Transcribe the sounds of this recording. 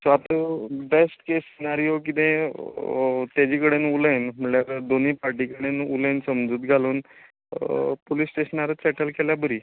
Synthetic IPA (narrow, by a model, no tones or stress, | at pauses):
sʋat̪besʈkessenaɾijok̬it̪ẽ | t̪jad͡ʑikəɽenuljnm̤əɳljaɾd̪oniːpaɾʈikəɽenulẽnsəmd͡zuːt̪ɡʱaluːn | polisːʈeɕənaɾəsɛʈəlkeljabəɾiː